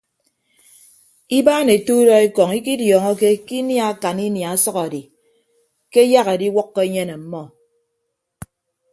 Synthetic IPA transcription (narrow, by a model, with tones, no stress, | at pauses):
i˦baː˦ne˨tu˦dɔ˦e˦kɔ˨ŋi˦ki˦djɔː˨ŋɔ˦ke˦ki˦nja˦a˦˨ka˨ni˦nja˨a˦sɔ˦ɣa˨di˨ | ke˦ja˦ɣe˨di˦wɔ˦kːɔ˦e˦ɲe˦ne˨m̩˦mɔ˦